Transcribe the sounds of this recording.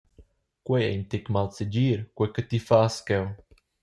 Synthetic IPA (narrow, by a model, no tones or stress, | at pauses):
kwɛɛ̰nt̪ekmalt͡səd͡ʒiːɾkwekət̪ifaskɛw